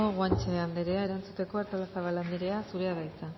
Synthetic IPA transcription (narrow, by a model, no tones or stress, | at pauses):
oɣwant͡ʃeand̪eɾe̞ae̞ɾant͡sut̪e̞ko̞aɾt̪olasaβaland̪eɾe̞asuɾe̞aðajt͡sa